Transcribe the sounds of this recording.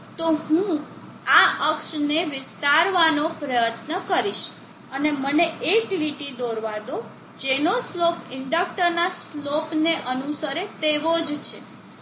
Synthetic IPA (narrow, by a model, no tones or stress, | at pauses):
t̪oɦũ | aʔəkʃneʋɪst̪aɾʋanopɾəjət̪nəkəɾiʃ | əneməneekliʈid̪oɾʋad̪o | d͡ʒenoslopɪɳɖək̚ʈəɾnaslopneʔənusəɾet̪eʋod͡ʒt͡ʃʰe